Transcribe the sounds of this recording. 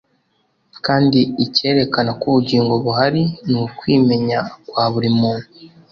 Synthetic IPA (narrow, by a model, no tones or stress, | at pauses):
kaːndiːce̞ːɾe̞kanakuβuɟiːŋɡo̞βuɦaɾinukwiːme̞ɲakwaːβuɾimuːnu